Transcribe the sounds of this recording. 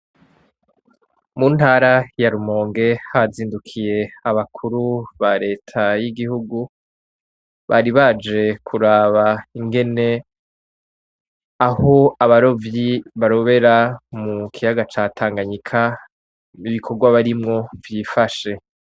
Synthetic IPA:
muːn̥haːɾajaɾumo̞ːŋɡe̞haziːndukʰije̞aβakʰuɾuβaɾe̞ːtʰajiɡihuɡu | βaɾiβad͡ʒe̞kʰuɾaːβaiŋɡe̞ne̞ | aho̞aβaɾo̞vjiβaɾo̞βe̞ɾamukʰijaɡat͡ʃaːtʰaːŋɡaɲikʰa | iβikʰo̞ɾɡwaβaɾimŋo̞vjiːfaʃe̞

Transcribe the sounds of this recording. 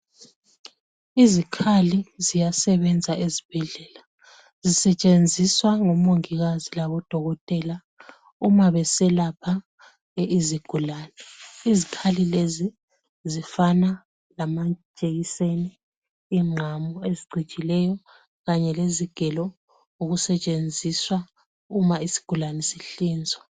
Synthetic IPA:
izikʰalizijasɛβɛnd͡zʱaezib̥ʱɛɮɛla | zisɛt͡ʃʼend͡zʱiswaŋɔmoŋiɣazilaβɔd̥ʱɔɣɔtʼɛla | umaβɛsɛlapʰa | iziɡ̥ʱulanɛizikʰalilezi | zifana | lamat͡ʃʼeɣiseni | iːŋ͡ǁʱamɔeziɡ͡ǀʱi̥t͡ʃʼilɛjɔ | ɣaɲɛleziɡ̥ʱɛlɔ | uɣusɛt͡ʃʼend͡zʱiswa | umaisi̥ɡ̥ʱulanɛsiɬiːnd͡zʱwa

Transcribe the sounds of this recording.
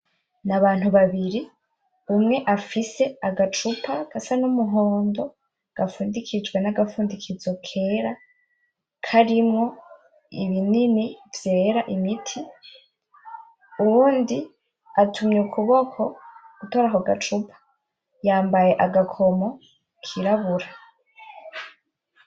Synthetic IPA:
naβaːn̥huβaβiɾi | umŋe̞ʔafise̞aɡat͡ʃupʰaɡ̥asanumuɦo̞ːndo̞ | ɡ̥afuːndikʰid͡ʒɡwe̞naɡafuːndikʰizo̞kʰe̞ːɾa | kʰaɾimŋo̞ | iβininivje̞ːɾaʔimitʰi | uβuːndi | atʰumɲeukʰuβo̞kʰo̞ɡ̥uto̞ːɾaɦoaɡa̰t͡ʃupʰḁ | jaːmbaje̞ʔaɡakʰo̞mo̞ | kʰiɾaβuɾa

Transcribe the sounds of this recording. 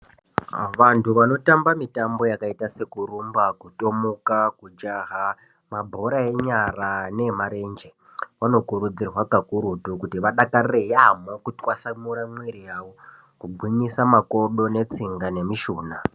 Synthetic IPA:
ʋantuʋano̞tambamitambo̞jakaitase̞kuɾumbakuto̞mukakud͡ʒaɦa | mabʱo̞ɾae̞ɲarane̞maɾe̞nd͡ʒe̞ | ʋano̞kuɾud͡zirwakakuɾutukutiʋaɗakare̞jamokutwasamuɾamwiɾijaʋo̞ | kubʱwiɲisamako̞ɗo̞ne̞t͡siŋɡane̞miʃuːna

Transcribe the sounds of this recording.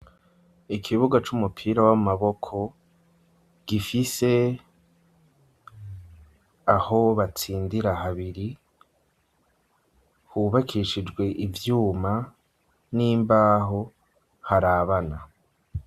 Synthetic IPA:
ikʰiβuɡat͡ʃumupʰiːɾawamaβo̞kʰo̞ | ɡ̥ifise̞ | aho̞βat͡siːndiɾaɦaβiɾi | huβakʰiʃid͡ʒɡwe̞ʔivjuːma | niːmbaːɦo̞ | haɾaːβana

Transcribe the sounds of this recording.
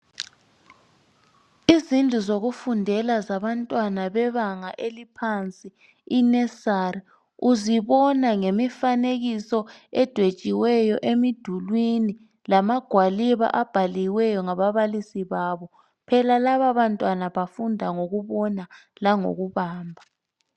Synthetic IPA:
izind͡ɮʱuzoɣufundʱɛlazaβantʼwanaβɛβaŋa̰ʔelipʰant͡sʼiː | nɛsari | uziβɔnaŋemifaneɣisɔɛd̥ʱwet͡ʃʼiwɛjɔʔemid̥ʱulwini | lamaɡ̥ʱwaliβa̰ʔab̥ʱaliwɛjɔŋaβaβalisiβaβɔ | pʰɛlalaβaβantʼwanaβafundʱaŋoɣuβɔnalaŋo̰ɣuβaːmbʱa

